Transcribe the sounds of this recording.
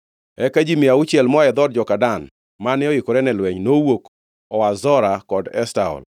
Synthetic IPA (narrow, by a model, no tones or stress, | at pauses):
ɛkad͡ʒimiaut͡ʃjɛlmɔɛd̪ɔd̚d͡ʒɔkadan | manɪɔikɔɾɛnɛlwɛɲnowok | ɔwazɔɾakɔdɛ̰staɔ̰l